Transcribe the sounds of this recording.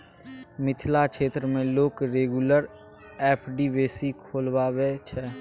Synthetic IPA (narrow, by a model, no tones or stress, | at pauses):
mɪt̪ʰlakʰʃeːt̪ɾəmẽloːkɾeːɡuləɾ | ɛːpʰɖiʋeːsikʰoːlwaːwet͡ʃʰɛː